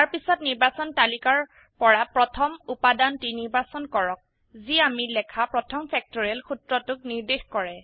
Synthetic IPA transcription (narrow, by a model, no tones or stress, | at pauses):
aɹpisɔt̚niɹbasɔntalikaɹ | pɔɹapɹɔtʰɔmupadantiniɹbasɔnkɔɹɔk̚ | ziamilɛkʰapɹɔtʰɔmfɛk̚tɔɹiɛlxutɹɔtʊk̚niɹdexkɔɹɛ